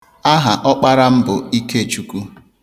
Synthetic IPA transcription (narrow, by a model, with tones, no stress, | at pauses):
a˦ɦa˨ʔɔ˦k͡pa˦ɾa˦m̩˦bʊ˨i˦ke˦e˨t͡ʃu˨ku˦